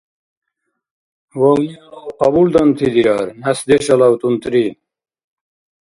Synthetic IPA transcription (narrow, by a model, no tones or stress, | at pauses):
woɣiawqɐbuld̪ɐnt̪ʰid̪iɾaɾnɐsd̪eɕɐlɐwt̪unt̪ɾi